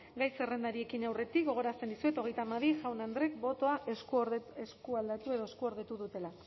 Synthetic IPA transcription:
ɡajse̞re̞nd̪aɾie̞kinawre̞t̪ik̚ɡo̞ɣ̞o̞ɾast̪e̞nd̪isue̞t̪o̞ɣ̞e̞jt̪amaðiʝawnand̪ɾe̞kbo̞t̪o̞aʔeseskuald̪at̪ue̞ðo̞eskuo̞ɾðe̞t̪uðut̪e̞la

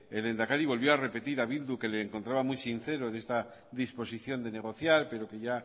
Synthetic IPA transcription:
e̞le̞nd̪akaɾiβ̞o̞lβjo̞are̞pe̞t̪iɾaβild̪uke̞le̞ːŋkont̪ɾaβamujsin̟θe̞ɾo̞ene̞st̪a | ðispo̞siθjo̞nd̪e̞ne̞ɣ̞o̞θjaɾpe̞ɾo̞ke̞ʝa

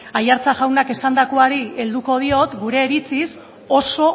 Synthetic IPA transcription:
ajaɾt͡saʝawnake̞sand̪akoaɾield̪uko̞ð̞io̞t̪ɡuɾe̞ːɾit͡sis | o̞so̞

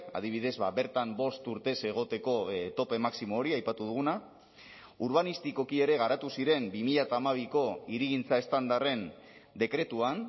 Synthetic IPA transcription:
a̰ð̞iβ̞ið̞e̞zβaβe̞ɾt̪ambo̞st̪uɾt̪e̞se̞ɣ̞o̞t̪e̞ko̞t̪o̞pe̞maksimoːɾiajpat̪uð̞uɣ̞una | uɾβanist̪iko̞kie̞ɾe̞ɣ̞aɾat̪usiɾe̞mbimiʎat̪aːmaβ̞iko̞iɾiɣ̞int͡sae̞st̪and̪are̞nd̪e̞kɾe̞t̪uan

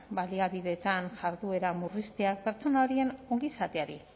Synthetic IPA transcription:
baliaβiðe̞t̪anʝaɾðue̞ɾamurist̪eak̚pe̞ɾt͡so̞nao̞ɾie̞no̞ŋɡisat̪e̞aɾi

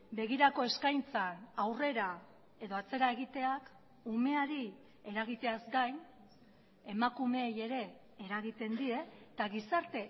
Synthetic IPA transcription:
be̞ɣ̞iɾako̞e̞skajnt͡sanawre̞ɾa | e̞ðo̞at͡se̞ɾae̞ɣit̪e̞ak | ume̞aɾi | e̞ɾaɣ̞it̪e̞azɡajn | e̞makume̞ːje̞ɾe̞ː | ɾaɣit̪e̞nd̪ie̞t̪aɣisaɾt̪e̞

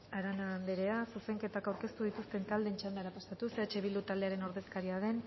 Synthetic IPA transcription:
aɾanand̪eɾe̞asuse̞ŋke̞t̪akawɾke̞st̪uð̞it̪ust̪e̞nt̪ald̪e̞nt͡ʃand̪eaɾapast̪at̪useat͡ʃeβild̪ut̪ald̪e̞aɾe̞no̞ɾðe̞skaɾiaðe̞n

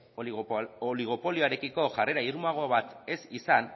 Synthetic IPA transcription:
oliɣ̞o̞po̞lioaɾe̞kiko̞ʝare̞ɾaiɾmaɣo̞βat̪e̞sisan

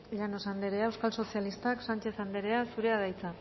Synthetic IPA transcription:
ʎanosand̪eɾeaewskalso̞sialist̪aksant͡ʃe̞θand̪e̞ɾe̞asuɾe̞aðajt͡sa

